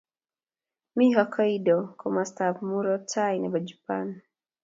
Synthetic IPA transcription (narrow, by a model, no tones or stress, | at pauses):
miɦɔkʰɔidɔkʰɔmastafmuɾɔtʰajnabad͡ʒupa̰n